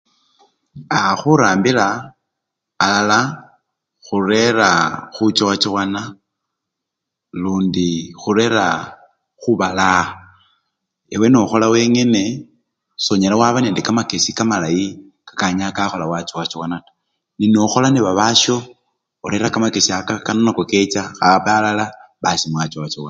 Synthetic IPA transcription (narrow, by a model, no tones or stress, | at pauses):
axuɾaːmbila | lala | xure̞ɾaxut͡ʃowat͡ʃiwana | luːndixuɾe̞ɾa | xuβala | ewe̞noxo̞lawe̞ːŋe̞ne̞ | so̞ɲelawaβaneːndekamakesikamalaji | kḁkaɲakaxo̞lawat͡ʃowat͡ʃiwana | ninoxo̞laneβaβaʃo̞ | oɾe̞ɾakamakesiakakanonakoket͡ʃaxaβalalaβasimwat͡ʃowat͡ʃiɣwan